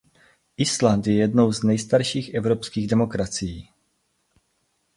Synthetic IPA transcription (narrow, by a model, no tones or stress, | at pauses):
ʔɪslant̪jɛjɛdno̞wznɛjst̪aɾʃiːxʔɛvɾopskiːɣdɛmo̞kɾat͡sɪjiː